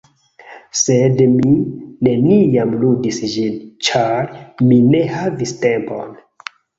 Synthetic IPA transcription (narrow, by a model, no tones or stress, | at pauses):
sedmine̞nijamludisd͡ʒint͡ʃaɾmine̞haviste̞mpo̞̰n